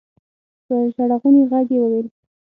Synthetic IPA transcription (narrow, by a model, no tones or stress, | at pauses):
d̪̥əʃaɽaɣuneɣaɡjewəwel